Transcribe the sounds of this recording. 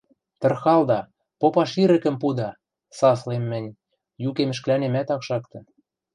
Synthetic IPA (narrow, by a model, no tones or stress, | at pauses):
t̪ə̆rxɑld̪ɑ | popɑʃiɾɘ̆kɘ̆mpud̪ɑ | sɑslemːɘ̆nʲ | jukemɘ̆ʃ̬klænemæt̪ɑkʃɑkt̪ɤ̆